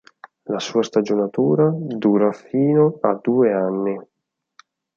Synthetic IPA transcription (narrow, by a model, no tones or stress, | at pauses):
lasuːast̪ad͡ʒonat̪uːɾad̪uːɾafiːnoad̪ːuːeanːi